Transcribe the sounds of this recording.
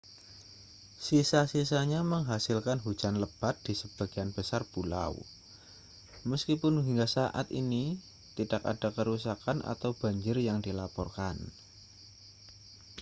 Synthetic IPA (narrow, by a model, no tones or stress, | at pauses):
sisasisaɲaməŋɦasɪlkanɦu̥d͡ʒanləb̥at̪̚d̥isəb̥aɡ̥ianb̥əsarpula̰w | məskipʊnɦiŋɡasaʔa̰t̪ini | t̪idaka̰dakəɾusakana̰t̪awb̥a̤ɲd͡ʒɪrjaŋdilapɔrkan